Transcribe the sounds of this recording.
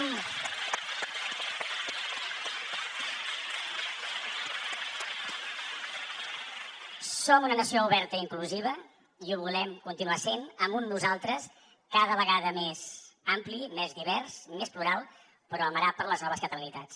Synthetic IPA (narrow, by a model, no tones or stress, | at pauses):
somunənəsiouβɛɾt̪əiŋkluziβ̞ə | iuβulɛmkunt̪inuasenəmbunznuzalˠt̪ɾəs | kaðəβəɣaðəmezamplimezðiβɛɾsmespluɾalˠ | pəɾɔəməɾapəɾləznɔβəskət̪əlinit̪at͡s